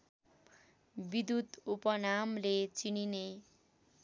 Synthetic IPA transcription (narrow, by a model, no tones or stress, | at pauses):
bid̪ut̪upʌnamlet͡sinine